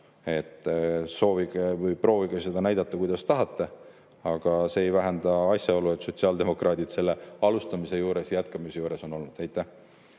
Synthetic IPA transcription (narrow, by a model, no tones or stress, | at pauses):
e̞t̪ːˑso̞ːviɡevɯjpro̞ːviɡ̥ese̞d̪̥ɑnæjd̪̥ɑt̪ˑːɑkujd̪̥ɑst̪ɑɦɑt̪ːˑe | ɑɡ̥ɑse̞ːjvæɦend̪̥ɑɑsʲjɑo̞lue̞t̪so̞t̪siɑld̪e̞mo̞krʔɑːd̪ʲid̪̥se̞lːe̞ɑlust̪ɑmise̞juːɾe̞sjjæt̪kɑmise̞juːɾe̞so̞no̞lnud̪æjt̪ːˑæh